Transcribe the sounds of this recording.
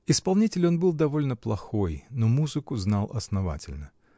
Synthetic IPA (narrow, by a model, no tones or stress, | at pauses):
ɪspɐlˠnʲitʲɪlʲo̞nbɨlˠd̪ɐvo̞lʲnəplˠɐxo̞jnomuzɨkʊznɑlˠɐ̰snɐva̰tʲɪlʲnə